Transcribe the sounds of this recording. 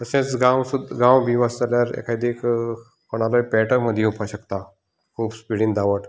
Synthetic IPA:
əsẽt͡sɡãwsud̪ɡãwbʱiʋasd͡zaljaɾḛkʰajd̪ek | kəɽ̃alojpɛʈəɾməd̪ʱːjeupʰaɕəkt̪a | kʰuːbspiɽind̪aʋəʈ

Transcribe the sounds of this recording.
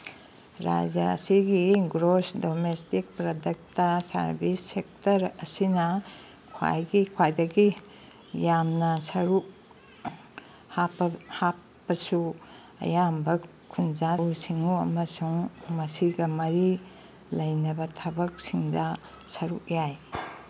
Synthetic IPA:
ɾa̰d͡ʒɐɐ̰siɡiɡɾosdomestik̚pɾɐdek̚tɐsɐ̰ɾbisːek̚tɐɾɐsinɐ | kʰwa̰jɡikʰwajdɐɡi | jamnɐsɐɾuk | hapːɐhapːɐsu | ɐ̰jambɐ | kʰunzausiŋuɐ̰mɐsuŋmɐsiɡɐmɐɾi | lɐjnɐbɐtʰɐbɐk̚siŋdɐ | sɐɾuk̚jaj

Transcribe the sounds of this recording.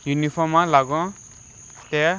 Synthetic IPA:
junipʰɔmːãlaɡɔ̃ | t̪e

